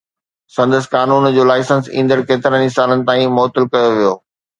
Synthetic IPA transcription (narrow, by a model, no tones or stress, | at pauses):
sɐ̃nd̪əs̆kaːnuːnd͡ʑoːlaːɪsə̃nsĩːnd̪əɾkeːt̪ɪɾənɪsaːlənɪ̆t̪aːĩmɔːt̪ɪlkɐjoʋijoː